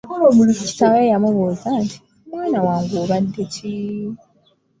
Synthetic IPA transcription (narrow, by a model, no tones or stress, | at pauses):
kolomulufici̥taɾejamoβozantʰi̥ | mwaːnawaːŋɡoːβadːeci